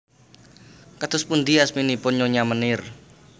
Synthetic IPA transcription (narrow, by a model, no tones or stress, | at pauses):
kət̪ʊspund̪iasminipʊnɲoɲamənɪr